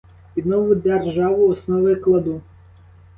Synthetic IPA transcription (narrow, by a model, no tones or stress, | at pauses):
pʲid̪nɔʋʊd̪erʒɑʋʊɔsnɔʋɪklˠɐd̪u